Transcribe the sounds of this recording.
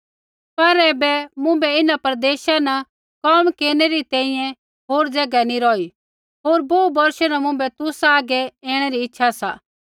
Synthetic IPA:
pɐɾɛːbɛmʊ̃bɛɪnãpɐɾd̪eːʃanɐ | kɔmkeːɾneɾit̪ɛ̃ːĩjɛ̃ | ɦoːɾd͡zɛɡɛniɾɔːi | ɦoːɾboːubɔɾʃɛnɐmʊ̃bɛt̪ʊsaaːɡɛɛːɽ̃eɾiɪtːʃʰasa̰ː

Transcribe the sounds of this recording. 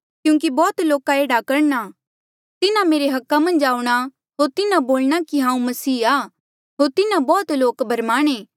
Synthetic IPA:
kjũːk̬ibɔːt̪loːkaeːɽakɐɾna | t̪ɪnãmeːɾeɦɐkːamɐ̃nd͡ʒaːuɽ̃a | ɦoːɾt̪ɪnãboːlɽakiɦãːũmɐsiːaː | ɦoːɾt̪ɪnãbɔːt̪loːkbʱɐɾmaːɽ̃eː

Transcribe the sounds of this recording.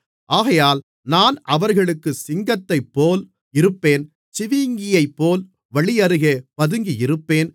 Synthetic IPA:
ʔaːɣɐjaːl | naːnɐʋɐɾɣɐɭɯkːɯsɪŋɡɐt̪ːɐɪpːoːl | ɪɾɯpːeːn | t͡ʃɪʋiːŋɡɪjɐɪpːoːl | ʋɐɭɪjɐɾɯɣepɐðɯŋɡiɪɾɯpːeːn

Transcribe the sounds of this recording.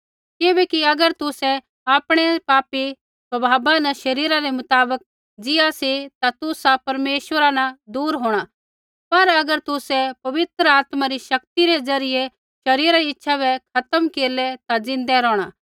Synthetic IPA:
kɪbɛkiɐɡəɾt̪ʊsɛ | aːpɽ̃ɛpaːpi | sɐbʱaːbanɐʃɐɾiːɾaɾɛmʊt̪aːbək̚ | d͡zɪjasit̪at̪ʊsapɐɾmeːʃʋəɾanɐ̃d̪uːɾɦoːɽ̃a | pɐɾɐɡəɾt̪ʊsɛpɐʋɪt̪ɾəaːt̪maɾiʃɐkt̪iɾed͡zɐɾɪje | ʃɐɾiːɾaɾiɪtːʃʰabɛkʰɐt̪əmkeːɾlɛt̪ad͡zɪ̃nd̪ɛɾɔːɽ̃aː

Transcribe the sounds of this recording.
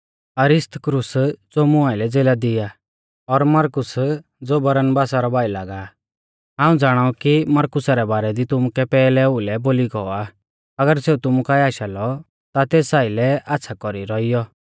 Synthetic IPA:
ɐɾɪst̪əkɾʊsd͡zoːmʊaːɪlɛd͡zeːlad̪ɪja | ɔɾmɐɾkʊs | d͡zoːbɐɾənbaːsaɾɔbaːilaːɡa | ɦãːũd͡zaːɽ̃aukimɐɾkʊsaɾɛbaːɾɛd̪it̪ʊmukɛpɛːlɛʊlɛboːliɡɔa | ɐɡəɾseːut̪ʊmukaːiaːʃalɔ | t̪at̪eːsaːilɛʔatːsʰakɔɾiɾɔijɔ

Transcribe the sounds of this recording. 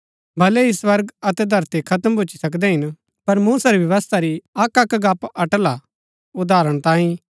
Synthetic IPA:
bʱɐleɦiswɐɾɡɐt̪ɛd̪ʱɐɾt̪ikʰɐt̪əmbʱʊt͡ʃisɐk̬d̪ɛɦɪn | pɐɾmuːsaɾibjɐʋəst̪ʰaɾiɐkɐkɡaːpɐʈla | ʊd̪aːɾəɽ̃t̪ãːĩ

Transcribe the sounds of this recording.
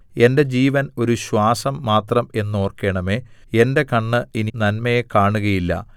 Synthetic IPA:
e̞nde̞d͡ʑiːʋɐno̞ɾuɕwaːsɐmːaːt̪rɐme̞nːo̞ːrke̞ːɳɐmeːe̞nde̞kɐɳːɨininɐnmɐjekaːɳuɣɐjilːɐ̰

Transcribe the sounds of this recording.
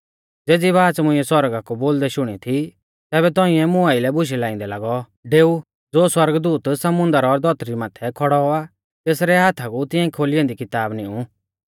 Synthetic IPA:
d͡zeːd͡ziβaːt͡smʊ̃ɪ̃ɛswɐɾɡakuboːld̪ɛʃʊɽ̃it̪ʰi | t̪ɛːβɛt̪ɔ̃ːĩɛmʊ̃aɪlɛbʊʃ̬ɛlãːɪ̃nd̪ɛlaɡɔ | ɖeːu | d͡zoːswɐɾɡd̪uːt̪sɐmʊ̃nd̪əɾɔɾd̪ɔt̪ɾimaːt̪ʰɛkʰɔɽɔa | t̪eːsɾɛɦaːt̪ʰakut̪ɪ̃ãikʰoːlɪɔ̃nd̪ikɪt̪aːbnĩũ

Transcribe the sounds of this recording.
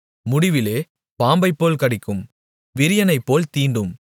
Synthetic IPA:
mʊɽɪʋɪleː | paːmbɐɪpːoːlkɐɽɪkːɯm | ʋɪɾɪjɐnɐɪpːoːlt̪iːɳɖɯm

